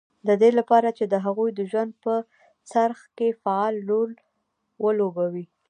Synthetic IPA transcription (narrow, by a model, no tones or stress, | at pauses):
d̪əd̪elapɑɾat͡ʃed̪əɦaɣujd̪əʒwand̪̚pə | t͡saɾxkefaɑlːol | wəlobawi